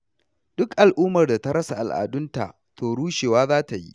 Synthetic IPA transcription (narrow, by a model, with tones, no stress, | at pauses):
d̥ʊ˦kʔa˨lʔuː˦mɐ˨rda˨ta˦ɾɐ˦sa˨ʔa˨lʔa̰ː˨dʊ˦nta̰˨ʔ | tʰoː˨ɽuː˦ʃeː˨waː˦zaː˦ta˨jḭ˦